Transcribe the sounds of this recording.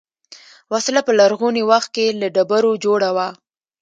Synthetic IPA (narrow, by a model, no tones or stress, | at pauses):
waslapəlaɾɣonewaxt̪̚kelaɖabaɾod͡ʒoɽawa